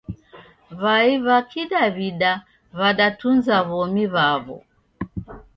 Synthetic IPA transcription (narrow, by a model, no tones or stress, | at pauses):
βaiβakʰiɗaβiɗa | βaɗatunzaβɔmiβaβɔ̰